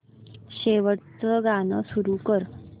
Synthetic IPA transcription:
ɕeʋəʈt͡səɡanəsuɾukəɾ

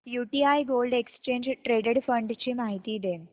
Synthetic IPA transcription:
juːʈiajɡoːlɖekst͡ʃeːɲd͡ʒʈɾeːɖeɖfɐɳɖt͡ʃimaːɦit̪id̪em

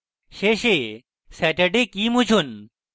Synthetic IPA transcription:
ɕeɕe | sɛːʈəɖekiːmut͡ɕʰun

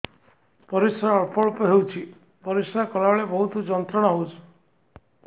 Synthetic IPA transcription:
pɔɾisɾaɔɭpɔɭupɔɦewt͡ʃʰi | pɔɾisɾakɔlaɔɭebɔɦut̪ud͡ʒɔnt̪ɾɔɽ̃ɔɦowt͡ʃʰ

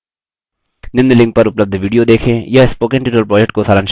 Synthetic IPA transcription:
nɪ̃nd̪əlɪ̃ŋɡ̚pɐɾʊpləb̚d̪ʱʋiːɖijod̪eːkʰẽjaɪspoːkẽɳʈɪːʈəlpɾɔːd͡ʒɛkʈ̚kosaːɾanʃ

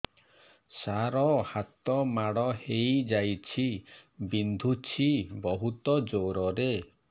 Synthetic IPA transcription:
saɾɔhat̪ɔmaɽɔhejd͡ʒajt͡ʃʰibind̪ʱut͡ʃʰibɔɦut̪ɔd͡ʒowɾɔɾe

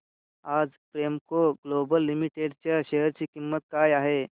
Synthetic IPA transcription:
ad͡zpɾemkoɡlobəlːimiʈeɖt͡ɕaɕeɦəɾt͡ɕiːkimːət̪̚kaːjaɦe

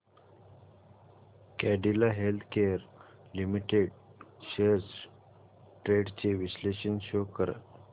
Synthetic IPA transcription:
kæɖilaɦelt̪ʰkeəɾ | limiʈeɖɕeɾs | ʈɾeɖt͡ɕeʋisleɕənɕokəɾə̰t̪

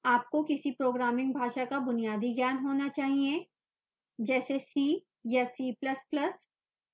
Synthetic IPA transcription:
aːp̚kokɪsipɾoːɡɾaːmɪ̃ŋɡ̚bʱaːʃakabʊnijaːd̪iɡjaːnɦoːnat͡ʃaːɦiẽ | d͡ʒɛːsesiː | jasiːplɐsplɐs

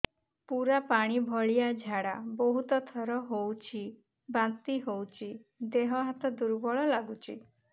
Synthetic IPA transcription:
puɾapaɽ̃ibʱɔɭijad͡ʒʱaɽabɔɦut̪ɔt̪ʰɔɾɔɦowt͡ʃʰi | bant̪iɦowt͡ʃʰid̪eɦɔɦat̪ɔd̪uɾbɔɭɔlaɡut͡ʃʰḭ

